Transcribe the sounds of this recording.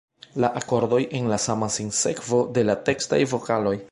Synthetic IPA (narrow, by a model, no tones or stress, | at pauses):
laʔako̞ɾdo̞jʔe̞nlasamasinse̞̰kvo̞de̞late̞ksta̰jvo̞kalo̞j